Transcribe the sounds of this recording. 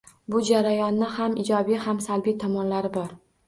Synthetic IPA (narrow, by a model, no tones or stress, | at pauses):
bʊd͡ʒaɾajɒnːɪhamɪd͡ʒɒbijhamsalbijt̪ʰɒmɒnlaɾɪbɒɾ